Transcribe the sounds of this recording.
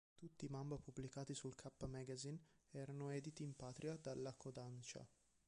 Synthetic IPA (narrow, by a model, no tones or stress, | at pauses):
t̪ut̪ːiːmambapubːlikaːt̪isulkʰapːmɛɡazinɛːɾanoɛːd̪it̪iːmpaːt̪ɾʔiad̪alːakod̪ant͡ʃa̰